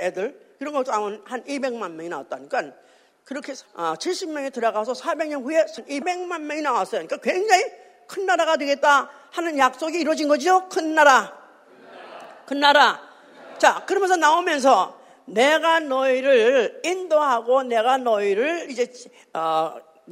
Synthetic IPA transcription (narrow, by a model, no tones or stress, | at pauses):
edɯɭkiɾʌnɡʌkt͈amɯnhanibe̞ŋmanmjʌŋina̰wa̰t͈̚aɲik͈an | kɯɾʌkʰe̞ʌt͡ɕʰiɭɕ͈ʰimmjʌŋetɯɾʌɡas̬ʰʌsʰabe̞ŋɲʌnɸuje̞sʰnibe̞ŋmanmjʌŋinawas͈ʌjɲik͈akwe̞ŋd͡ʑaŋi | kʰɯnːaɾaɣadwe̞ɡe̞t̚t͈a | hanɯnjak̚s͈oɡiːɾwʌd͡ʑinɡʌd͡ʑid͡ʑokʰɯnːaɾa | kɯnːaɾa | t͡ɕakɯɾʌmjʌnsʰʌnaomjʌns̬ʰʌ | ne̞ɡanʌiɾɯɭindoɦaɡone̞ɡanʌiɾɯɭid͡ʑe̞ | ʌ